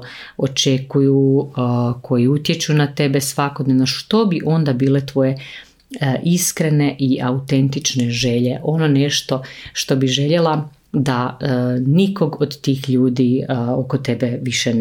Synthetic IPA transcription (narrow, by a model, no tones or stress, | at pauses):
ot͡ʃekuju | kʰo̞jiut̪je̞t͡ʃunat̪e̞besʋako̞d̪ne̞ʋno̞ʃt̪o̞biʔo̞nd̪abiːle̞t̪ʋo̞je̞ | ʔiskɾe̞ne̞ʔiʔaut̪e̞nt̪it͡ʃne̞ʒeʎe̞ʔo̞no̞neʃt̪o̞ʃt̪o̞biʒe̞ʎe̞la | d̪a | niko̞ɡod̪t̪iːxʎuːd̪iokot̪ebeʋiʃen